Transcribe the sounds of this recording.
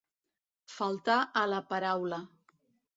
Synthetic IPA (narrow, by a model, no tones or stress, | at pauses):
falˠt̪aʔələpaɾawlə